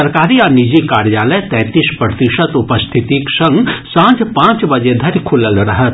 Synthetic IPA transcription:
ɐɾkaːɾiɔːɾnid͡ʒikaːɾjaːləjt̪ɛ̃ːt̪ispɾət̪ɪʃət̪ʊpəst̪ʰɪt̪iksɐ̃ŋɡsãːd͡ʒpãːt͡ʃbɐd͡ʒed̪ʱɐɾkʰʊləlɾɐɦət̪

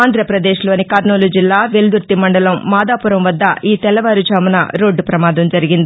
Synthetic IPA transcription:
aːnd̪ɾɐpɾɐd̪eːʃlo̞ːnikɐːɾnoːlud͡ʒilːaːʋeld̪uɾt̪imɐɳɖɐlɐmːaːd̪aːpuɾɐmʋɐd̪ːɐʔiːt̪ɛlɐʋaːɾud͡ʒaːmunɐɾo̞ːɖupɾɐmaːd̪ɐmd͡ʒɐɾiɡind̪i

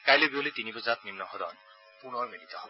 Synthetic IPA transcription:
kajlobiolit̪inibɔzat̪nimnɔɦɔd̪ɔ̰n | punɔɹmedit̪ɔ

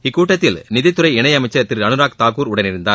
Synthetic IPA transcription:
ɪkːuːʈːɐt̪ːɪlnɪðɐɪt̪ːɯɾɐɪɛɳɐjɐmɐɪt͡ʃːɐt̪ːɪɾɐnɯɾaːk̚t̪aːkuːɾʊɽɐnɪɾɯnd̪aː

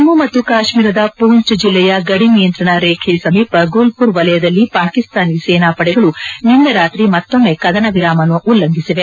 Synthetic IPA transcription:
mːumɐt̪ːukaːʃmiːɾɐd̪ɐpuːɲt͡ʃɐd͡ʒilːɛjɐɡɐɽinijɐnt̪ɾɐɳɐɾeːkʰesɐmiːpɐɡuːlpuɾʋɐlɐjɐd̪ɐlːipaːkist̪aːnseːnaːpɐɽɛɡɐɭuninːɐɾaːt̪ɾimɐt̪ːo̞mːekɐd̪ɐnɐʋiɾaːmɐnuʔulːɐŋɡisiʋe

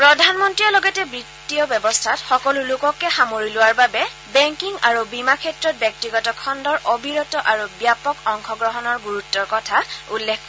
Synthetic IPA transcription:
pɹɔdʱanmɔntɹiɔlɔɡɛtɛbɹitːiɔbjɛbɔstʰatxɔkɔlulʊkɔkɛxamoɹilʊwaɹbabɛ | bɛŋkiŋaɹubimakʰɛtɹɔt̚bjɔk̚tiɡɔtɔkʰɔndɔɹʔɔbʱiɹɔtɔʔaɹubjapɔkɔŋkʰɔɡɹɔɦɔnɔɹɡuɹutːɔɹkɔtʰaulːɛkʰːɔ

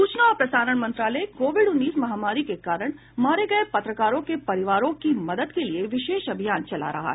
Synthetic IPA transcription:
ssuːt͡ʃnaːɾpɾɐsaːɾəɳ̃mɐ̃nt̪ɾaːləekoːʋɪɖʊnːiːsmɐɦaːmaːɾikekaːɾəɽ̃ | maːɾeɡɐepɐt̪ɾəkaːɾõkepɐɾɪʋaːɾõkimɐd̪əd̪kelieʋɪʃeːʃɐbʱijaːnt͡ʃɐla̰ɾɐ̰ɦa̰ɦɛ

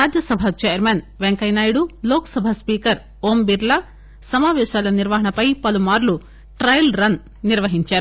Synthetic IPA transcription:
ɾaːd͡ʒjɐsɐbʱɐt͡ʃeːjɐɾmeːn | ʋeŋkɐjnaːjiɽuloːkɐ̥sɐbʱaspiːkɐɾ | oːmbiɾlɐ | sɐmaːʋɛːʃaːlɐniɾʋɐɦɐɳɐpɐjpɐlumaːɾlu | ʈɾɐjlɾɐn | niɾʋɐɦiɲt͡ʃaːɾu

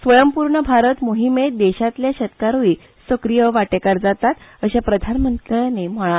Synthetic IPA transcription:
sʋəjəmpuɾɳəbʱaɾət̪moɦimed̪eɕat̪ljaɕət̪kaɾui | səkɾijəʋaʈekaɾd͡zat̪at̪əɕapɾəd̪ʱanmənt̪ɾjãnem̤əɭ̃a

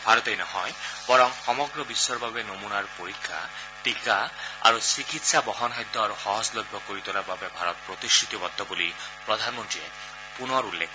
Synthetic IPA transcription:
bʱaɾɔt̪ejnɔɦɔjbɔɾɔŋsɔmɔɡɾɔbisɔɾbabenomunaɾpoɾikʰːa̰ | ʈikaa̰ɾusikit̪sabɔɦɔnɦajd̪ʱːɔaɾuxɔɦɔd͡ʒlɔbʱːɔkoɾit̪ɔlababebʱaɾɔt̪̚pɾot̪isʈʰɹit̪ibɔd̪ʱːɔboli | pɾɔd̪ʱanmɔntɾie | punɔɾulːekʰ

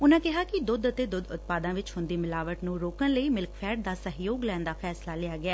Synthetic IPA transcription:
ʊnãːkɪɦaːkɪd̪ʊd̪ət̪eːd̪ʊd̪ʊt̪̚paːd̪ãːʋɪt͡ʃhʊ̃nd̪iːmɪlaːʋəʈnũːɾoːkənləiːmɪlkpʰɛːɖ̚d̪aːsəɦjoːɡlɛːnd̪aːpʰɛːslaːlɪaːɡɪaː

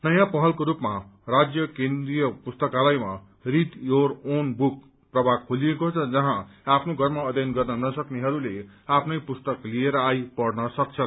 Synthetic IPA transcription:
nʌjãpʌɦʌlkoɾupmarad͡zjʌkend̪rijʌpust̪ʌkalajma | rit̪joronbuk̚ | prʌbʱaɡkʰoliekot͡sʰʌd͡zʌɦãapʰnoɡʱʌrmaʌd̪ʱjʌnɡʌrnʌnʌsʌkneɦʌɾule | apʰnʌjpust̪ʌklieɾʌajpʌɽnʌsʌkt͡sʰʌ

